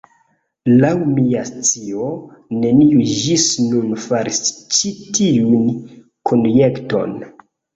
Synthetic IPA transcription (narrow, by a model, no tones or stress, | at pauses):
lawmiast͡sione̞niud͡ʒisnunfaɾist͡ʃitiun | kʰonjekto̞̰n